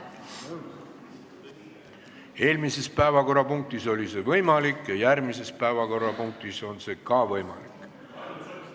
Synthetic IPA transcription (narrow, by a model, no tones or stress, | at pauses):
e̞ːlmise̞spæevɑko̞rːɑpuŋk̚t̪iso̞lʲise̞vɤjmɑlikjɑjærmise̞spæevɑko̞rːɑpuŋk̚t̪iso̞nse̞kɑːvɤjmɑ̰likːˑ